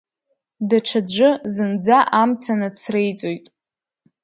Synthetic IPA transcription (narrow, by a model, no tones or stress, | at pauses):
daʈ͡ʂʷʰad͡ʒʷʊzɨnd͡zaʔamt͡sʰanɨt͡sʰrejt͡sʼojtʼ